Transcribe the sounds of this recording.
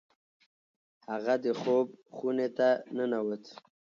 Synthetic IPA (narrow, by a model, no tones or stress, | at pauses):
haɣad̪əxobxunet̪anənawət̪ʰ